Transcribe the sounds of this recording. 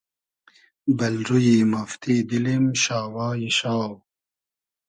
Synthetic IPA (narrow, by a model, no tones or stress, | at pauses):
bɐlɾujimɐft̪id̪ilimɕaːwaːjiɕaːw